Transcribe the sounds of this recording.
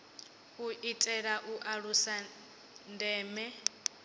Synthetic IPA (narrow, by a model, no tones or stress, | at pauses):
uʔitʼɛɺaʔuʔaɺusa | ndɛːmɛ